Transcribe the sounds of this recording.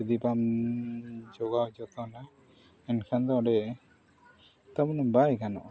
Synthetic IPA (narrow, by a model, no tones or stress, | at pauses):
d̪ipam | d͡ʒɔɡawd͡ʒɔt̪ɔna | ɛnkʰand̪ɔɔɖɛ | t̪amunɔbajkanɔ̰ʔ